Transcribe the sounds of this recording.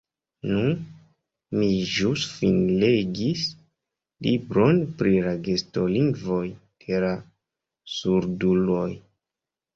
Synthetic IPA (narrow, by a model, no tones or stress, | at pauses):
nun | miʒusfinleɡis | libɾo̞npɾilaɡe̞sto̞liŋɡvo̞jd̥e̞la | suɾdulo̞j